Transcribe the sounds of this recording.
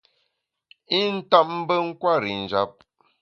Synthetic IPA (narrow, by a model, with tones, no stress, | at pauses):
i˦˨n̩˦ta˦p̚m̩˦bə˦ŋ̩˦kwa˦˨ɾi˨n̩˨d͡ʒa˦p̚